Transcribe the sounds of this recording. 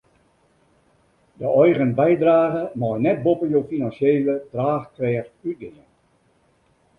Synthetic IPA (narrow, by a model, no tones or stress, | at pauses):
dəɔjɣənbɛjdraːɣəmɔjnɛt̚bopəjoːfinansjeːlətraːxkrɛːryt̚ɡɪjən